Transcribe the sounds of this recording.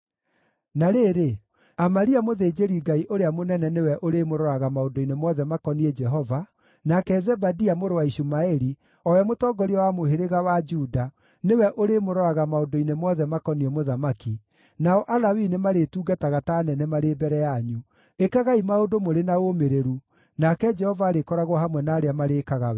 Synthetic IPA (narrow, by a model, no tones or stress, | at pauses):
naɾeːɾe | amaɾiamoðed͡ʒeɾiɡaiʔoɾeamonɛnɛnewɛʔoɾemoɾɔaɣamaondoinemɔðɛmakɔniɛd͡ʒɛɦɔva | nakɛzɛbadiamoɾowaiʃumaɛɾi | ɔwɛmotɔːɡɔɾiɔwamoɦeɾeɣawad͡ʒuda | newɛʔoɾemoɾɔaɣamaodoinemɔðɛmakɔniɔmoðamaki | naɔʔalawinemaɾetuːɡataɣataːnɛnɛmaɾebɛɾɛjaɲu | ekaɣaimaodomoɾenaomeɾeɾu | nakɛd͡ʒɛhɔvaːɾekɔɾaɣwhamwɛnaːɾeamaɾeːkaɣawɛ